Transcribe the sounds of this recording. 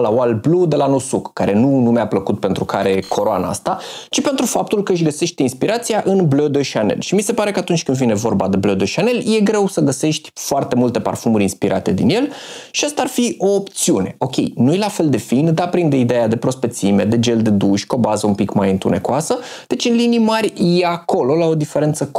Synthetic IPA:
lawalblud̪e̞lanusukːaɾe̞nunumeapləkut̪̚pe̞nt̪ɾukaɾe̞kʰo̞ɾoa̰na̰a̰st̪at͡ʃipe̞nt̪ɾufap̚t̪ulkəɨʃ̬ɡəse̞ʃt̪inspiɾat̪sijaʔɨnblod̪oʃianḛlʃimise̞paɾe̞kəat̪unt͡ʃʲkɨnd̪vine̞vo̞rbad̪e̞blod̪oʃiane̞lje̞ɡɾe̞wsəɡəse̞ʃt̪ʲfoart̪e̞mult̪e̞pa̰rfumuɾʲinspiɾʔa̰t̪e̞d̪ḭnje̞lʃiast̪aaːrfio̞ːpt̪siune̞̰ʔo̞kʲe̞̰jnujelafe̞ld̪e̞find̪apɾind̪eid̪e̞jad̪e̞pɾo̞spe̞t̪sime̞d̪e̞d͡ʒe̞ld̪e̞d̪uʃʲko̞bazəumpikmajɨnt̪une̞̰koasə | d̪̥e̞t͡ʃɨnlinijmarʲjeako̞lo̞lao̞d̪ife̞ɾe̞nt̪sək

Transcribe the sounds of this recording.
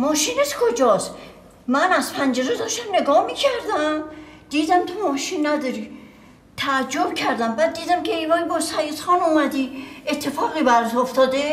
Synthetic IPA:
mɔʃineskʰod͡ʒɔs | mænazpʰænd͡ʒeɾed̪ɔʃt̪amneɡɔmikʰæɾd̪æmd̪̥id̪æmt̪ʰomɔʃinːæd̪ɔɾi | t̪ʰaːd͡ʒobkʰæɾd̪æmbæd̪̚ːiːd̪æmkʰeivajbɔsæjit̪χɔnɔmæd̪iet̪ʰːefɔːʁibæɾzoft̪ʰɔd̪e

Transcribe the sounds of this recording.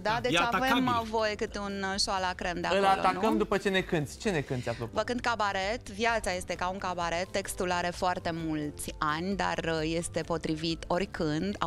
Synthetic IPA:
d̪ad̪e̞t͡ʃavemvo̞jekɨt̪eunʃoalakɾend̪eaəloalo̰t̪anukəmd̪upət͡ʃe̞nekɨnt̪sʲt͡ʃe̞nekɨnt̪sʲaflovəkɨnd̪̚kabaɾet̪vjat̪saje̞st̪e̞kauŋkabaɾe̞t̪ːe̞kst̪ulaɾe̞foart̪e̞mult̪sʲanʲd̪a̰rəje̞st̪e̞po̞t̪ɾivit̪o̞rʲkʰɨnd̪a

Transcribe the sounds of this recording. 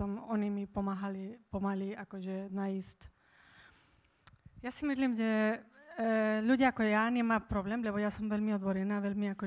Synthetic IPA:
ɔmɔnimipɔmaːɦalipɔmaliakɔʒɛnaisc | jasimisliːmʒɛ | ʎuɟɪaakɔjaɲɛmaːpɾɔblɛːmʎɛbɔjasɔmʋɛlmiɔd̪bɔɾɛnaːʋɛʎmiakɔ

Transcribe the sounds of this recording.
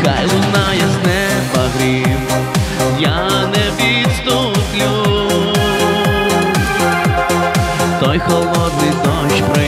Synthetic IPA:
xajlˠʊnajɐznɛbɐɣɾiw | janɛʋʲit̪st̪u | plʲu | t̪ɔjxɔlˠɔd̪nɪjd̪ɔʃpɾɪ

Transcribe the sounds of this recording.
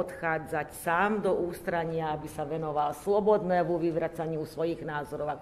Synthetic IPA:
ɔt̪xaːd͡zacsaːmd̪ɔʔuːst̪ɾaɲɪaabisaʋɛnɔʋalslɔbɔd̪nɛːʋuʋiʋɾat͡saɲusʋɔjiɣnaːzɔɾɔʊak

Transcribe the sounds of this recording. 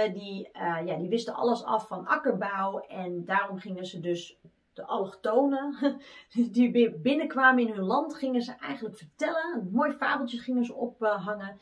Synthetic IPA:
diəjadiʋɪstəʔɑ̰ləsɑ̰fɔnakərbawɛndaːrɔmχɪŋəzədøs | d̥əʔɔlxtoːnə | dibɪbɪnəkʋaːməɪnɦønlɑntχɪŋənzəʔɛjɣəntləkfərtɛləətmoːjfaːbəlˠtjəχɪŋənzəʔɔpɦaŋə

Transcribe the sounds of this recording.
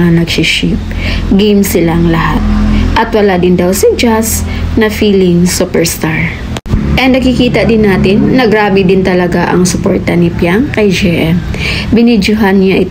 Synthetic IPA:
anɐɡsiʃip̚ | ɡijmsɪlaŋlɐhat̪̚ʔɐt̪wɐlad̪ɪnd̪ɐwsɐd͡ʒas | nɐfiːlɪŋsupɛɹst̪aɹ | ʔɛnd̪ɐɡkɪkiːt̪ɐd̪ɪnːaːt̪ɪnːɐɡɾaːbɪd̪ɪnt̪ɐlɐɡaʔɐŋsʊpoɹt̪ɐnɪpjaŋkɐjd͡ʒɛʔɛm | bɪnid͡ʒʊɦanɲaʔɪt̪

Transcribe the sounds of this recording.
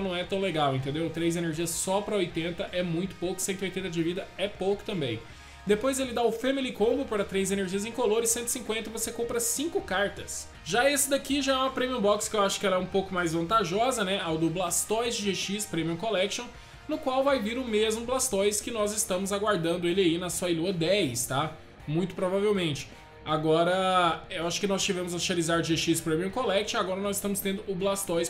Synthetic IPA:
nɐ̃w̃ɛt̪ɐ̃w̃leɡawẽnt̪ẽnd̪ewt̪ɾejzeneɾʒiɐssɔpɾɐojt̪ẽnt̪ɐʔɛmũj̃t̪ʊ̥powkʊ̥sẽnt̪ʊojt̪ẽnt̪ɐd͡ʒɪvid̪ɐɛpowkʊ̥t̪ɐ̃mbẽj̃ | d̪epojzelɪd̪aʊfemilikõbʊpaɾɐt̪ɾejzeneɾʒiɐzẽj̃koloɾɪsẽnt̪ɪ̥sĩkwẽnt̪ɐvosekõmpɾɐsĩŋkʊkaɾt̪ɐs | ʒaesɪd̪akiʒaɛũmɐpɾẽmiũbɔkskɪewaʃʊ̥kɪɛlɐɛũpowkʊmajzvɐ̃nt̪aʒɔzɐnɛawd̪ʊblast̪ɔjzʒeʃispɾẽmiɐ̃kolɛkʃõw̃ | nʊkwawvajviɾʊmezmʊblast̪ɔjskɪnɔzɪst̪ɐ̃mʊzaɡwaɾd̪ɐ̃nd̪ʊelɪainɐsuɐiluɐd̪ɛjst̪a | mũj̃t̪ʊ̥pɾovavewmẽnt͡ʃɪ̥ | aɡɔɾɐewaʃʊ̥kɪnɔst͡ʃivẽmʊzɐʃalizaɾʒeʃispɾẽmiũkolɛkʃõw̃aɡɔɾɐnɔzɪst̪ɐ̃mʊst̪ẽnd̪ʊʊblast̪ɔjs

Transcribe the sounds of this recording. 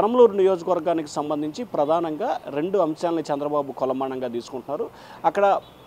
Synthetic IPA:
ɐɾɐmloːɾunijo̞ːd͡ʒɐkɐʋɐɾɡaːniki̥sɐmbɐnd̪ʱiɲt͡ʃipɾɐd̪ʱaːnɐŋɡaːɾe̞ɳɖuɐmʃaːlɐnit͡ʃɛnd̪ɾɐbaːbukɔlɐmaːɳɐŋɡaːt̪iːsu̥kuɳʈunːaːɾu | ɐkːɐɽɐ

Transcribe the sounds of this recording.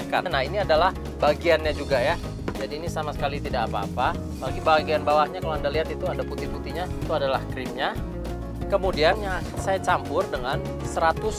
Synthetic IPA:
ka̰naɦiniadalah | baɡianɲad͡ʒuɡaja | d͡ʒadiːnisamasə̥kalit̪idakapa̰ːpa | baɡibaɡianbawahɲakalowandaliɦat̪it̪uandaput̪iput̪iɲait̪uadala̰hkɾɪmɲa | kəmudianja | sajat͡ʃampʊrdəŋan | səɾat̪ʊs

